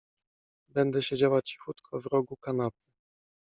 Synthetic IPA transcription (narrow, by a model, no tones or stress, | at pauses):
bɛnd̪ɛɕed͡ʑawat͡ɕi̥xut̪kʰɔvɾɔɡukanap̚ɘ